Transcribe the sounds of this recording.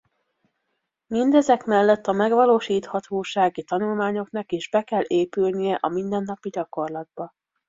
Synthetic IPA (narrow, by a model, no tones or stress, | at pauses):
mind̪ɛzɛkmɛlːɛt̪ːɒmɛɡʋɒloːʃiːt̪hɒt̪ʰoːʃaːɡit̪ɒnulmaːɲo̞knɒkiːʒbɛkɛlːeːpylnijɛʔɒmind̪ɛnːɒpiɟɒko̞rlɒd̪̚bɒ